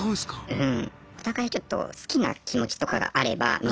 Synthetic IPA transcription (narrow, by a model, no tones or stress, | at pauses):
oskaɯ̟̃ɴ | o̞t̪aɡait͡ɕo̞t̪ːo̞̰sɨ̥kʲina̰kʲimo̞t͡ɕi̥t̪o̞ka̰ɡa̰ʔaɾe̞ba̰mʲ